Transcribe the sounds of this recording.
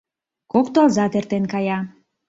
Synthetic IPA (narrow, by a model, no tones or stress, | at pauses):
kokt̪oɑlˠzɑt̪ert̪enkɑjɑ